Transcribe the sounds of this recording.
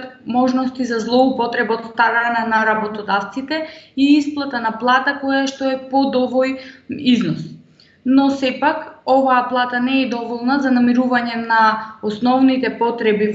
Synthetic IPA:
t̪mɔʒnɔst̪izazlˠɔupɔt̪ɾɛbaɔt̪st̪aɾananaɾabɔt̪ɔd̪aft̪sit̪ɛiisplˠat̪anaplˠat̪akɔjaʃt̪ɔɛpɔd̪ɔvojiznɔs | nɔsɛpakɔvaːplˠat̪anɛːd̪ɔvɔlˠnazanamiɾuvaɲɛnaɔsnɔvnit̪ɛpɔt̪ɾɛbi

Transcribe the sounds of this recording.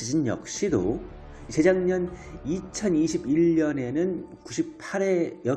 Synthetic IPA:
id͡ʑinjʌ̰k̚ɕ͈ido̰ | isʰe̞d͡ʑaŋɲʌnit͡ɕʰʌniɕʰibiʎɲʌne̞nɯnkuɕʰip̚pʰaɾe̞jʌ

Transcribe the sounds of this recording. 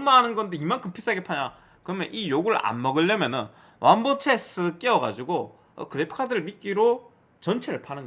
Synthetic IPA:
maɦanɯnɡʌndeimankɯpʰis͈ʰaɡepʰaɲa | kɯɾʌmjʌnʔijoɡuɾɯɭʔa̰nmʌɡɯɭːʌmjʌnɯn | wʔanbot͡ɕʰe̞s͈ʰɯk͈iʌɡa̰d͡ʑuɡo̰ | kɯɾepʰɯ̥kʰadɯɾɯɭmit̚k͈iɾo | t͡ɕʌnt͡ɕʰeɾɯɭpʰanɯnɡʌ

